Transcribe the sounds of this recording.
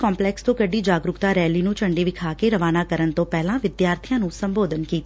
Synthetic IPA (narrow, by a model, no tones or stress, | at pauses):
kɔːmplɛːkst̪õːkəɖiːd͡ʒaːɡɾʊkt̪aːɾɛːliːnũːt͡ʃəɳɖiːʋɪkʰaːkeɾəʋaːnaːkəɾənt̪õːpɛːlãːʋɪd̪jaːɾt̪ʰijãːnũːsə̃mboːd̪ʱənkiːt̪ː